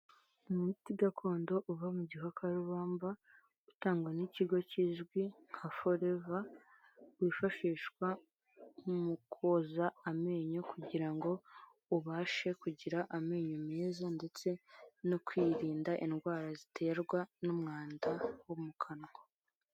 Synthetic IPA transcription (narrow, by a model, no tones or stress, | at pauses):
umutiɡakʰo̞ːndo̞ʔuvamuɟiɦakʰaɾuβaːmba | utaːŋɡweniciɡo̞ciʒɡwiŋ̥hafo̞ɾe̞va | wiːfaʃiːʃkwa | mukʰozaːme̞ːɲo̞kuɟiɾaŋɡo̞ | uβaːʃe̞kuɟiɾaʔame̞ːɲomeːzande̞t͡se̞nokwiːɾiːndaʔinɡwaːɾazitʰe̞ːɾɡwanomŋaːndawomukʰanɡo